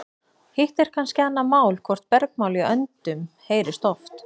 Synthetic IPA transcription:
hɪht̪ɛɾ̥kʰanscɪanːamaːwlkʰvɔr̥t̪̚pɛɾk̚maːwliœnt̪ʏmheːjɾɪst̪ɔft̪

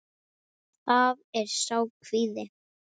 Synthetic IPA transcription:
θavɛɾ̥saːwkʰvɪðɪ

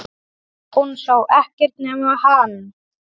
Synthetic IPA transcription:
unθowʔɛhcɪɾ̥t̪nɛːmahan

